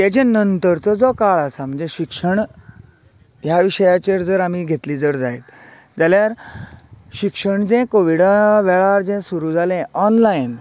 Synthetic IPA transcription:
t̪at͡ɕẽnənt̪əɾt͡sɔd͡zɔkaɭasam̤əɳd͡zeɕikʂəɳ | ɦjaʋiɕəjat͡ɕeɾd͡zəɾam̤iɡʱet̪liːd͡zəɾd͡zajt̪ | d͡zaljaɾ | ɕikʂəɳd͡zɛ̃koʋiɽaʋɛɭaɾd͡zɛ̃suɾuːd͡zʱalẽɔnlain

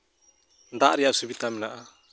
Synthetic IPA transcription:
d̪aʔɾɛjaʔsubit̪amɛnaʔa

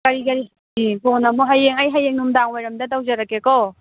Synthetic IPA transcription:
kɐɾikɐɾi | ibonɐmuɦajeŋɐjɦajeŋnumdaŋajɾɐmdɐtawzɐɾɐkːekɔ

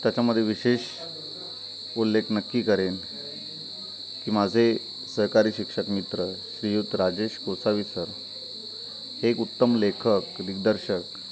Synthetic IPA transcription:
t̪jat͡ɕaməd̪ʱːjeʋiɕeɕ | ulːekʰnəkːiːkəɾen | kiːmad͡zʱe | səɦkaɾiːɕikʂəkmit̪ɾəɕɾijut̪ɾad͡ʑeɕkosaʋiːsəɾ | hekut̪ːəmlekʰəkd̪ik̚d̪əɾɕək

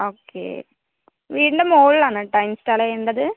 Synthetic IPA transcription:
oːkːḛ | ʋiːɳɖɐmoːllaːɳɨʈɐjmstaːlɐeɳɖɐðɨ

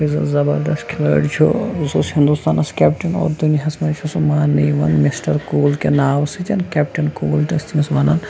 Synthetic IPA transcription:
izɐ̰zɐbɐ̰ɾd̪ɐsʈkʰɪloːḭʈt͡ʃʰo̰zoshind̪ust̪aːnɐskʲɛːpʈɐnɔ̰ːɾd̪uniɦɐsmɐnt͡ʃʰosumaːniːʋɐ̰nmisʈɐɾkuːlkenaːʋsid͡ʒɐnkʲɛp̚ʈɐnkuːlt̪ɐst̪iɐsmɐnɐ̰n

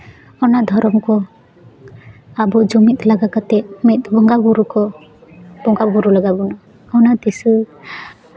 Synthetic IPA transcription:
ɔnad̪ʱɔɾɔmkɔ | abɔd͡ʒɔmit̪ʼlaɡakat̪ɛmɛt̪̚bɔŋɡabuɾukɔ | b̥ɔŋɡabuɾulaɡabɔna | ɔnat̪isɯ

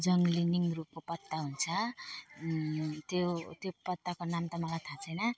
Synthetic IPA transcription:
d͡zʌŋɡliniŋrup̚kopʌt̪ːaɦunt͡sʰʌ | t̪jot̪jopʌt̪ːakonamt̪ʌmʌlajt̪ʰat͡sʰʌjnʌ

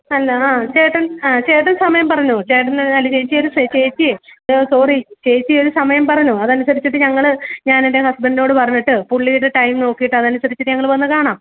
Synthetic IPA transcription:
ɐlːɐaːt͡ɕeːʈːɐnaːt͡ɕe̞ːʈːɐnsɐmɐjɐmpɐrɐɲːut͡ɕe̞ːʈ̬ːɐnɐlːɐt͡ɕejt͡ɕːijo̞ɾusɐt͡ɕe̞ːt͡ɕːisoːrit͡ɕe̞ːt͡ɕːijo̞ɾusɐmɐjɐmpɐrɐɲːuɐðɐnusɐɾit͡ɕːiʈ̬ːɨɲɐŋːɐɭɲaːninde̞hɐsbeɳɖino̞ːɽɨpɐrɐɲːiʈːɨpuɭːijiʈːɨʈɐjmno̞ːkːijiʈːɨɐðɐnusɐɾit͡ɕːiʈːɨɲɐŋːɐɭʋɐnːɨkaːɳaːm

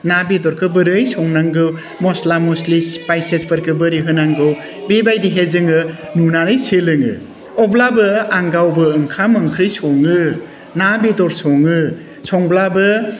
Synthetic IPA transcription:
nabidɔɾkʰɯbɯɾɯjsɔŋnaŋɡɯw | mɔslamɔslispajsespɯɾkʰɯbɯɾiɦɯnaŋɡɯw | bebajdiɦezɯŋɯnunaɾɯjselɯŋɯ̰ | ɔblabɯaŋɡawbɯːŋkʰamɯŋkʰɾijsɔŋɯ | nabidɔɾsɔŋɯ | sɔŋblabɯ

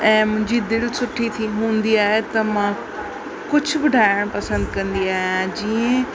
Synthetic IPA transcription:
ɛ̃ːmʊ̃ɦɪ̃ɲd͡ʑid̪ɪlsʊʈʰit̪ʰiɦũːnd̪iaːɦet̪ɐmã | kʊd͡ʑʱʊ̆bʊɖʱaːɪɽ̃pɐsə̃nd̪kɐ̃nd̪iaːɦijãd͡ʑiːə̃

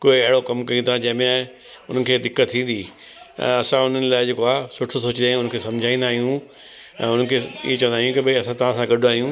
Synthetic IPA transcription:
koːɪɐɦɪɽokɐmkɐĩt̪ʰãd͡ʑɐ̃ɪ̃mẽ | ʊnə̆kʰeːd̪ɪkət̪ʰːĩːn̆d̪iː | ɛ̰̃ɐsãʊn̤ənɪ̆laːɪd͡ʑeːkoaːɦsʊʈʰosoːt͡ɕnd̪aːɦiũʊnkʰeːsɐ̃md͡ʑʱaːĩːnd̪aːɦijũ | ɛ̰̃ːʊnəkʰeːḭɦet͡ɕɐ̃ʋ̃ə̃nd̪aːɦjũkibɪɐsãt̪ɐʋ̤ãsãɡɐɗaːɦijũː

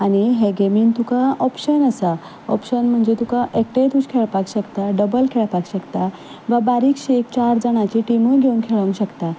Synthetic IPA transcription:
aɽ̃iɦeɡemiːnt̪ukaɔpɕənəsa | ɔpɕənm̤əɳd͡zet̪ukãʔek̚ʈejt̪ut͡ɕkʰeɭpaɡɕəkt̪aɖəbəlkʰeɭpaɡɕəkt̪a | ʋabaɾiːkɕekt͡ɕaɾd͡zəɽ̃at͡ɕiʈiməjɡʱeũŋkʰeɭəŋɡɕəkt̪a

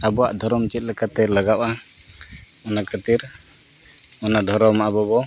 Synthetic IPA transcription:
abɔwaʔd̪ʱɔɾɔmt͡ʃɛt̪̚ˀlɛkat̪ɛlaɡapa | ɔnakat̪iɾ | ɔnad̪ʱɔɾɔmaʔabɔbɔ

